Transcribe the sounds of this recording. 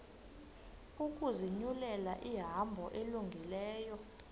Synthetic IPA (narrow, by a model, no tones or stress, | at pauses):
uk̬ʼuziɲulɛlaʔiɦambʱɔʔeluŋɡʱilɛːjɔ